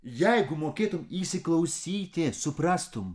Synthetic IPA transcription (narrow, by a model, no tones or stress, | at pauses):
jajɡʊmɔkʲet̪ʊmisɪklˠɐwsʲijt̪ʲesupɾast̪ʊm